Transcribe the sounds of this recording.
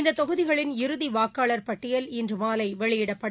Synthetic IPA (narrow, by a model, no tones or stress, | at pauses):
nd̪ɐt̪ːɔɣɯðɪɣɐɭɪnɪɾɯðiʋaːkaːɭɐɾpɐʈːɪjɐlɪndrɯmaːlɐɪʋɛɭɪjɪɽɐpːɐɽ